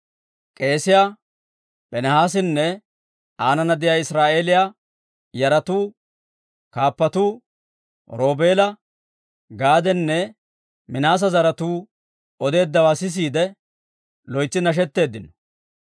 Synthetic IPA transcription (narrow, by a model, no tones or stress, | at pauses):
kʼe̞ːsɪjaː | pʼɛnɛhaːs̬ɪnːɛ | aːnɐnɐd̪ɪjaːɪsɾaːʔe̞ːlɪjaː | jɐɾɐt̪uː | kaːpːɐt̪uː | ɾo̞ːbe̞ːlɐ | ɡaːd̪ɛnːɛ | mɪnaːs̬ɐzɐɾɐt̪uː | ɔd̪e̞ːd̪ːɐwaːsɪs̬iːd̪ɛ | lɔjt͡sːɪnɐʃ̬ɛt̪ːe̞ːd̪ːɪnɔ̥